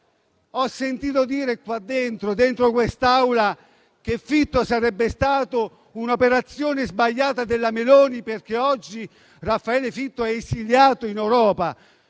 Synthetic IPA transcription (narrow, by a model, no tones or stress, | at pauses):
ɔsːent̪iːt̪od̪iːɾekwad̪ːent̪ɾod̪ent̪ɾokwest̪awla | k̟efːit̪ːosaɾɛbːest̪aːt̪o | unopeɾat̪sːjoːnezbaʎːaːt̪ad̪elːamelɔːniperk̟eɔd͡ʒːi | rafːaɛːlefit̪ːoɛesiljaːt̪oinewɾɔːpa